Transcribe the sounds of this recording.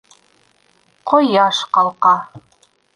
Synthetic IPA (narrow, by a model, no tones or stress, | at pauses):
qojɑʃqɑlˠqɑ